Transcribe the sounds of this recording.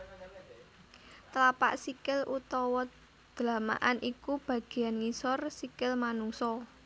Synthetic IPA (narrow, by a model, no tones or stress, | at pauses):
t̪əlapa̰ʔsikɪlʔut̪ɔwɔ | d̪̥lama̰ʔanʔikub̥ä̤ɡ̥e̤anŋisɔrsikɪlmanuŋsɔ